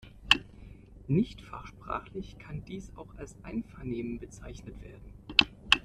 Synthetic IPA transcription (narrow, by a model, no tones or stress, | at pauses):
nɪçtfa̰χʃpʁ̥a̰ːχlɪçkʰandiːsa̰ʊxalsʔaɪnfɐɐneːmənbət͡saɪçnətv̥eːɐdn̩